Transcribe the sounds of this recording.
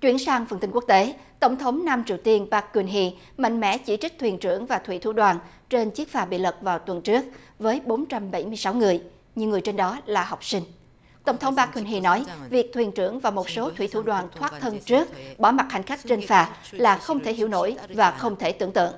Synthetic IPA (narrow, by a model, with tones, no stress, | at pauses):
t͡ɕwḭ˧˩ənsaː˧ŋfə˨˩nt̪ï˧ŋku˦˥k̚t̪e˨˦ | t̪ə˧˩wŋ͡mt̪ʰə˨˦wŋ͡mna˧mt͡ɕi˨˩əwt̪i˧ənɓaː˦˥k̚kːwi˧nɦi˧ | mɛ̰˧˨ŋ̟mɛ̰˧˥t͡ɕi˧˩t͡ɕi˦˥k̚t̪ʰwi˨˩nt͡ɕɨ˧˩əŋvaː˨˩t̪ʰwḭ˧˩t̪ʰṵ˧˩ɗwaː˨˩n | t͡ɕe˧nt͡ɕi˦˥ək̚faː˧˩ɓḭ˧˨lə˨˩t̚vaː˨˩wt̪wə˨˩nt͡ɕɨ˦˥ək̚vəː˨˦jɓo˨˦nt͡ɕa˧mɓə˧˩jmɨ˧əjsa˨˦wŋɨ˨˩əj | ɲi˨əŋɨ˨˩əjt͡ɕe˧nɗɔ˨˦laː˨˩ɦɔ˨˩wk͡p̚sï˧ŋ̟ | t̪ə̰˧˩wŋ͡mt̪ʰə˨˦wŋ͡mɓaː˦˥kːwu˧nɦi˧nɔ˨˦jvi˨˩ək̚t̪ʰwi˨˩nt͡ɕɨ˧˩əŋvaː˨˩wmo˨˩t̚so˨˦t̪ʰwḭ˧˩˥t̪ʰṵ˧˩ɗwaː˨˩nt̪ʰwaː˦˥t̚t̪ʰə˧nt͡ɕɨ˦˥ək̚ɓɔ˧˩ma˨˩t̚ha̰˨˩jŋ̟xa˦˥k̟̚t͡ɕe˧nfaː˨˩ | laː˨˩xə˧wŋ͡mt̪ʰe˧˩ɦḭ˧˩əwno̰˧˩jvaː˨˩xə˧wŋ͡mt̪ʰe˧˩t̪ɨ̰˧˩əŋt̪ɨ̰˧˨əŋ